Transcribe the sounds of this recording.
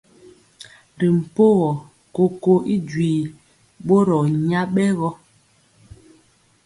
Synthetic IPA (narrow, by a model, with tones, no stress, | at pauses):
ɾi˨m̩˨po˦ɣɔ˨ | ko˨ko˦ʔi˦d͡ʒwiː˨ | ɓo˦ɾɔ˨ɲa˦ɓɛ˦ɣɔ˦